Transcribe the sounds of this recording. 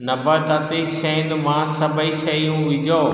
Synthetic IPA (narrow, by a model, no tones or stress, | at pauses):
nɐbət̪ɐt̪iʃɐ̃ɪ̃nd̪mãsɐbʱəiʃɐijũʋɪd͡ʑoː